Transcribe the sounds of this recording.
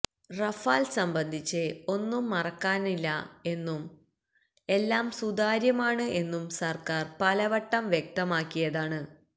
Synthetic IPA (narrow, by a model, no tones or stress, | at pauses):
rɐfaːlsɐmbɐnd̪ʱit͡ɕːɨo̞nːumːɐrɐkːaːnilːɐ̰e̞nːum | e̞lːaːmsud̪aːɾjɐmaːɳɨʔe̞nːumsɐrkaːrpɐlɐʋɐʈːɐmʋjek̚t̪ɐmaːkːijɐðaːɳɨ